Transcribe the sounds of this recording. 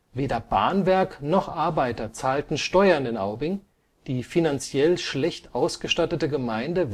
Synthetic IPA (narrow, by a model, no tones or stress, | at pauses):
veːdɐba̰ɐnvɛɐknɔχʔaɐbaɪtɐt͡saːltn̩ʃtɔʏɐɪndenʔa̰ʊbɪŋ | d̥iːfinant͡sjɛlʃlɛçtʔaʊsɡ̥əʃtatətəɡəmaɪndə